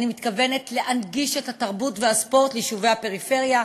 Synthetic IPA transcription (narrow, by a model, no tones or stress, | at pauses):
nimit̪kave̞ne̞tle̞ʔanɡiʃethataʁbutvehaspo̞ʁt̪liʃuvehape̞ʁife̞ʁja